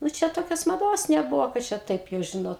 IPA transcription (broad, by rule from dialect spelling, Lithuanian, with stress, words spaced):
nʊ ˈt͡ʃʲɛ ˈtoːkʲoːs mɐˈdoːs nʲɛˈbʊʋoː kɐt ˈt͡ʃʲɛ ˈtɐɪp jɛʊ ˈʒʲɪnoːt